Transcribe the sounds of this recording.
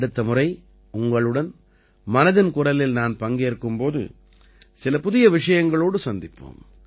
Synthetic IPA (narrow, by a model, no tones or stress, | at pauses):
ɽɯt̪ːɐmʊrɐɪ | ʊŋɡɐɭɯɽɐn | mɐnɐðɪnkʊɾɐlɪlnaːnpɐŋɡeːɾkːɯmpoːðɯ̰ | sɪlɐpʊðɪjɐʋɪʂɐjɐŋɡɐɭoːɽɯsɐnd̪ɪpːo̰ːm